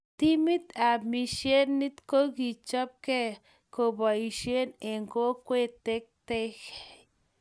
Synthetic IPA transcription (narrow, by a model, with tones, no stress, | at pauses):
t̪i˦mi˦t̪a˨mi˧ʃje˦nːi˦t̪ko˦ɡi˨t͡ʃo˦p̚ke˦ | ko˧ba˨i˨ʃje˦ne˨ŋɡo˦kʷe˦t̪e˦k̚t̪e˦x